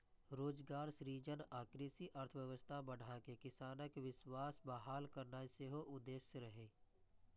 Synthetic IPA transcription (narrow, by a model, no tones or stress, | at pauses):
ɾoːd͡ʒɡaːɾsɾiːd͡ʒənaːkɾeːsiʔəɾt̪ʰəʋjəʋəst̪ʰabəɽ̤akekɪsaːnəkʋɪʃwaːsbaːɦaːlkəɾnaseɦoʔʊd̪ːeːʃəɾəɦeː